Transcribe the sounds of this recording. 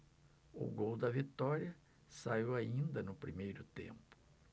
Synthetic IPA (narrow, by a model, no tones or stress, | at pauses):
ʊ̰ɡowd̪ɐvit̪ɔɾiɐ | saiwaĩnd̪ɐnʊpɾimejɾʊt̪ḛ̃mpʊ̥